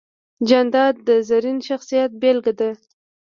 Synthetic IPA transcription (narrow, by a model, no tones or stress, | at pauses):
d͡ʒand̪ɑd̪̚d̪əzaɾinʃaxsijat̪̚belɡad̪a